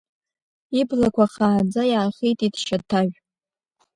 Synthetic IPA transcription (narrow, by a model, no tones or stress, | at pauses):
iblakʷʰaχaːd͡zajaːχijtʼidʃatʰaɥʷᶣ